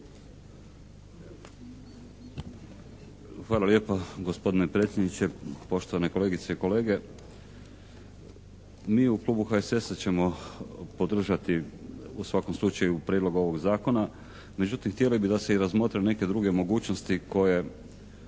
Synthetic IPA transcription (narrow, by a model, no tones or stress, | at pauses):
xʋaːlalje̞ːpaɡo̞spo̞d̪inepɾet̪sʲjed̪nit͡ɕe̞po̞ʃt̪oʋane̞ko̞le̞ːɡit̪se̞iko̞le̞ːɡe̞ | miːuklˠuːbuxaesesat͡ɕe̞mo̞po̞d̪r̩ʒat̪iusʋako̞mslˠut͡ʃajupɾʲjeːd̪lˠo̞ɡuo̞ʋo̞ɡzaːko̞na | me̞d͡ʑut̪imxt̪ijelibid̪ase̞iɾazmo̞t̪ɾene̞ke̞d̪ɾuɡe̞mo̞ɡuːt͡ʃnost̪iko̞je̞